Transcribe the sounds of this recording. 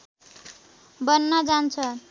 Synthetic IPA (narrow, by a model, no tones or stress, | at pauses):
bʌnːʌd͡zant͡sʰʌ